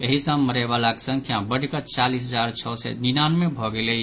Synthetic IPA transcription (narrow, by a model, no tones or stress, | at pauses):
əɦisəmməɾɛbalaksə̃ŋkʰjabəɽkət͡ʃalis̬ɦəd͡ʒaɾt͡ʃʰɔsɛ̰ninanmẽbʱɔɡele